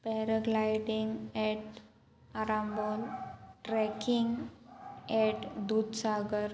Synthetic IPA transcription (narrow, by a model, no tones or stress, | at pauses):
pɛɾəɡlajɖiŋɡɛʈ | aɾãmbolʈɾɛkiŋɡ | ɛʈd̪ud̪saɡəɾ